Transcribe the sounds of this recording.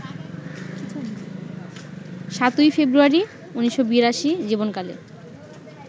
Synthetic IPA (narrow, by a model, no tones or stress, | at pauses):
ʃat̪ujfebɾuaɾi | uniʃːobiɾaʃid͡ʑibonkalḛɾ